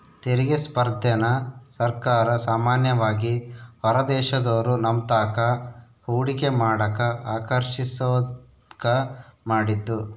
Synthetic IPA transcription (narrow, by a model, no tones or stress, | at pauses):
t̪eɾiɡespɐɾd̪ʱɐnɐsɐɾkaːɾɐsaːmaːnjɐʋaːɡihɔɾɐd̪ɛːʃɐd̪oːɾunɐmt̪aːkɐ | huːɽikemaːɽɐkɐaːkɐɾʃisoː | kɐmaːɽit̪ːu